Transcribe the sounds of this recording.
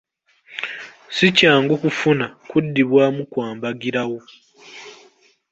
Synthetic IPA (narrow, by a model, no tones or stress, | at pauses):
sicaːŋɡukufunakudːiβwaːmukwaːmbaɡiɾawo